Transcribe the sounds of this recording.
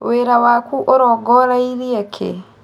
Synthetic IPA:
weɾawakuʔoɾɔɡɔɾaiɾiekʰḛ

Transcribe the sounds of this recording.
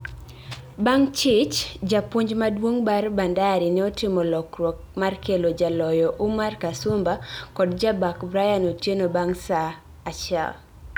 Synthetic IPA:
baŋt͡ʃɪt͡ʃd͡ʒapwoɲd͡ʒmadwoŋbarbandaɾinɛɔtɪmɔlɔkrwɔk̚markelod͡ʒalɔjɔʔumarkasʊmbakɔdd͡ʒabakbɾajanotjenobaŋsaː | ʃa̰l

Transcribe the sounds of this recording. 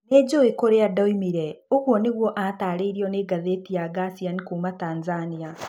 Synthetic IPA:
ned͡ʑoekoɾeadaimiɾɛoɣwɔneɣwɔʔataːɾeiɾiɔneɡaðetijaɡasianikuːmataːnzania

